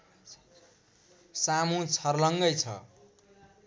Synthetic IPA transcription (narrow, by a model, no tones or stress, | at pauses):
samũt͡sʰʌrlʌŋɡʌjt͡sʰʌ̰